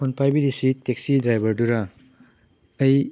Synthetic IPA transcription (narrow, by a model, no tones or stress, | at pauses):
ɔnpʰajbidisiteksidɾajbɐɾduɾa | ɐj